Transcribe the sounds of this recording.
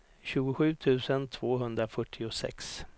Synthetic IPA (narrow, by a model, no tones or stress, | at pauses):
ɕʉ̟ːɡʊɧʉ̟ːt̪ʰʉ̟ːsənt̪ʰvoːɦɵnd̪ɾafœʈʰːɪʊsɛ̰ks